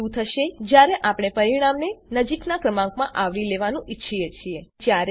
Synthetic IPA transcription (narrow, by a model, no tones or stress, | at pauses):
ũt̪ʰəʃed͡ʒjaɾeʔapɽ̃epəɾiɽ̃amnenəd͡ʒiknakɾəmãŋkmãʔaʋɾileʋanũʔitːʃʰijet͡ʃʰied͡ʒjaɾ